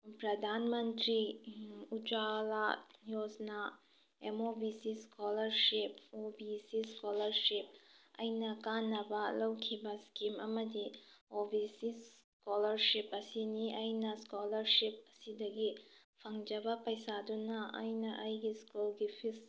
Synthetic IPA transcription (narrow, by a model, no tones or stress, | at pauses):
pɾɐdʱanmɐntɾi | ud͡ʒalajosna | emobisiskolɐɾsipobisiskolɐɾsip̚ɐ̰jnɐkanːɐbɐlɐwkʰibɐskimɐmɐdiobisis | kolɐɾsipɐsiniʔɐjnɐskolɐɾsip̚ɐsidɐɡi | pʰɐŋd͡ʒɐbɐpɐjsadunɐʔɐ̰jnɐʔɐjɡiskulɡipʰis